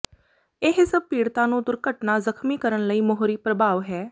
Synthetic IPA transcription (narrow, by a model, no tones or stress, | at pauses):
eːɦɪsəb̚piːɽt̪ãːnũːd̪ʊɾkəʈnaːzəkʰmiːkəɾənləiːmoɦɾiːpɾəbʱaːʋɦɛː